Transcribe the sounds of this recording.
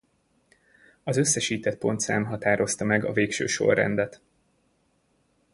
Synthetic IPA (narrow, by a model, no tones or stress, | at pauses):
ɒzø̞sːɛʃiːt̪ɛt̪̚po̞nt̪saːmɦɒt̪aːɾo̞st̪ɒmɛɡɒ̰veːkʃø̰ːʃo̞̰rːɛ̰nd̪ɛt̪